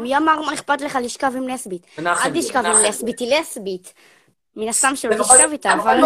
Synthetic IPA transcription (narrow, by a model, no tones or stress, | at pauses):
mjamaʁmaeχpat̪leχaliʃkavimleasbit̪adliʃkavimlesbit̪ileasbit̪ | minast̪amʃeloiʃkavit̪aval